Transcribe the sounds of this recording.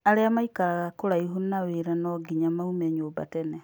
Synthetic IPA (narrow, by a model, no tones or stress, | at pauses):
aɾeamaikaɾaɣakoɾaiɦunaweɾanɔɡiɲamaumɛɲoːba̰tɛnɛ